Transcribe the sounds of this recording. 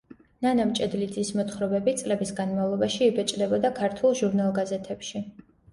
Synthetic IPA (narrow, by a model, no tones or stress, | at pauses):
nanamt͡ʃʼɛd̪lid̪zismɔt̪χɾɔbɛbit̪sʼlɛbisɡanmavlˠɔbaʃiːbɛt͡ʃʼd̪ɛbɔd̪akʰaɾt̪ʰulˠʒuɾnalˠɡazɛt̪ʰɛpʃi